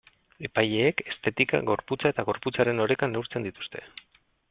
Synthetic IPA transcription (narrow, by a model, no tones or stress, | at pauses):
e̞paje̞ːke̞st̪e̞t̪ika̰ɣo̞ɾput͡sae̞t̪aɣ̞o̞ɾput͡saɾe̞no̞ɾe̞kanːewɾt͡se̞nd̪it̪u̥st̪e̞